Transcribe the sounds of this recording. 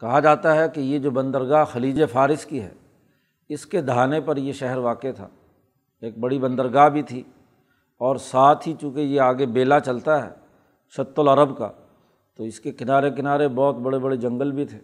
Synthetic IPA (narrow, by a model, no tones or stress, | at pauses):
kɐɦad͡ʒaːt̪aɦɛkejed͡ʒoːbɐ̃nd̪əɾɡaːɦxɐliːd͡ʒefʰaːɾɪskiɦɛ̰ː | ɪsked̪ʱaːnepɐɾjeʃɛɦəɾʋaːket̪ʰa̰ː | eːk̚bɐɽibɐ̃nd̪əɾɡaːɦbʱit̪ʰi | ɔːɾsaːt̪ʰɦit͡ʃũːkejeaːɡebeːlat͡ʃɐlt̪aɦɛ̰ː | ʃɐt̪ːəlɐɾəbka̰ | t̪oɪskekɪnaːɾek̬ɪnaːɾebɔːt̪bɐɽebɐɽed͡ʒɐ̃ŋɡəlbʱit̪ʰeː